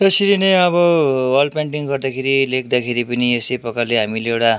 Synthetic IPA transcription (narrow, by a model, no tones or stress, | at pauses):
t̪ʌsiɾineʌβʌwʌrɖpaɳʈiŋɡʌrd̪akʰeɾilekʰd̪akʰeɾipʌniesepʌkaleɦamileewʈa